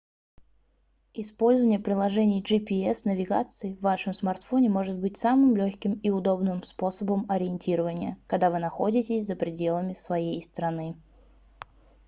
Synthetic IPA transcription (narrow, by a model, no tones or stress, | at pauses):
ɪspo̞lʲzəvənʲɪjəpɾʲɪlˠɐʐɛnʲɪjʐɨpʲɪɛsnəvʲɪɡa̰t̪sɨɪvːaʂəmsmart̪fo̞nʲɪmo̞ʐɨt̪̚bɨtʲsamɨmlʲoçʲkʲɪmɪʊd̪o̞bnɨmspo̞səbəmɐɾʲɪɪnʲtʲiɾəvənʲɪjəkɐɡd̪avɨnɐxo̞̰dʲɪtʲɪsʲzəpɾʲɪdʲe̞lˠəmʲɪsvɐjejst̪ɾɐnɨ